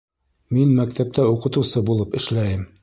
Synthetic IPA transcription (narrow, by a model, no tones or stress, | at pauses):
minmæk̚t̪æp̚t̪æuqɤ̆t̪ɤ̆wsɤbulˠɤpɘ̆ʃlæjɘm